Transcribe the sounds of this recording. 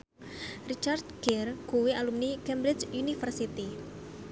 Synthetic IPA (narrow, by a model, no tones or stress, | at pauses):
rit͡ʃard̪̚ɡ̥ɛrkuwialumnikɛmbɾɪt͡ʃunifərsit̪i